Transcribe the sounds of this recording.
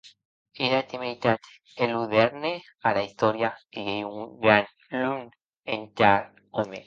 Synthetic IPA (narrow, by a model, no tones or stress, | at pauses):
iɾat̪imiit̪at̪ | eluðeɾne | alaist̪oɾjaiejuŋɡɾan | lun | entaɾ | ome